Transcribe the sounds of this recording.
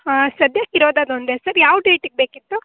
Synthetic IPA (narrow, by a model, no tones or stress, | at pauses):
sɐd̪jaːkiɾoːd̪aːd̪ond̪esɐɾjaːʋɖeːʈiɡ̚beːkit̪ːu